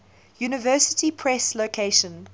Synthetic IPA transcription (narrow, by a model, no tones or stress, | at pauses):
juːnɪvɜːˑsɪtipʰɹ̥ɛsloʊkʰeɪʃə̃n